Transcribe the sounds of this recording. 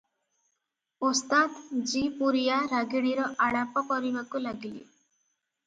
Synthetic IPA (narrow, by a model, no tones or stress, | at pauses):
ost̪at̪d͡ʒipuɾijaɾaɡiɽ̃iɾɔʔaɽapɔkɔɾibakulaɡilḭ